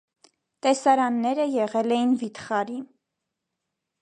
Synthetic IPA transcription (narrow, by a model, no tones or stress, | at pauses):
t̪ɛsɑɾɑnːɛɾəjɛʁɛlɛjinvit̪χɑɾin